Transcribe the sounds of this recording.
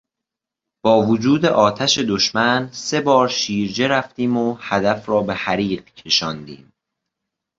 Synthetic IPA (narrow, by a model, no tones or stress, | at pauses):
b̥ɒːvod͡ʒuːd̪eʔɒːt̪ʰæʃe̞d̪oʃmænse̞bɒːɾʃiːɾd͡ʒe̞ɾæft̪iːmohæd̪æfɾɒːbe̞hæɾiːɢcʰe̞ʃɒːnd̪ḭːm